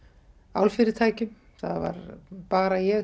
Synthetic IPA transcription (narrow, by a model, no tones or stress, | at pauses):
a̰wlfɪɾɪ̥t̪ʰaːjcʏm | θaðva̰ɾpaːɾajɛ